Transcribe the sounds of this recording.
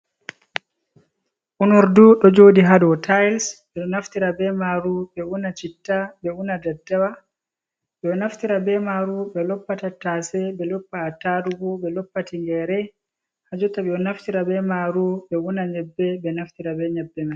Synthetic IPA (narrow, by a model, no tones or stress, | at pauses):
ʔunɔɾduɗɔd͡ʒoːdiɦadɔtʰajlsɓɛɗɔnaftiɾabɛmaɾubɛunat͡ʃitːabɛunadadːawa | ɓɛɔnaftiɾabɛmaɾuɓɛlɔpːatatasɛbɛlɔpːaːtaɾuɡɔbɛlɔpːatiŋɡɛɾɛ | had͡ʒutaɓɛɔnaftiɾabɛmaɾuɓɛunaɲɛbːɛbɛnaftiɾabɛɲɛbːɛma